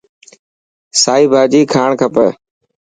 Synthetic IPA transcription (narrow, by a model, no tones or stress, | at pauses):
saːiːbʱaːd͡ʒiːkʰaːɳkʰəpəː